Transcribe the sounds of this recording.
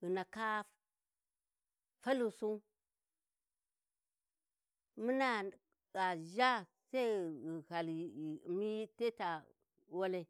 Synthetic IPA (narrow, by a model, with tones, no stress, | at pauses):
i˨na˨ka˦ | fa˦lu˨su˦ | mu˦na˨ | a˨ʒa˦sa˦i˦˨ha˨lmi˦te˦ta˨ | wo˦le˦